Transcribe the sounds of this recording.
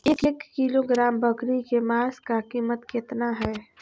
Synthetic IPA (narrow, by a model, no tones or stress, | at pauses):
eːkeːkːiloɡɾaːmbəkɾikemaːskakiːmət̪ket̪naɦɛː